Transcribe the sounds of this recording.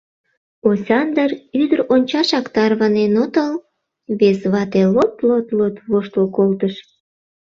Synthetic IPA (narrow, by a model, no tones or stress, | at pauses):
osʲɑnd̪əryd̪əɾonʲt͡ɕɑʃɑkt̪ɑrβɑnenot̪əl | βezβɑt̪elot̪lot̪lot̪βoʃt̪lokolt̪əʃ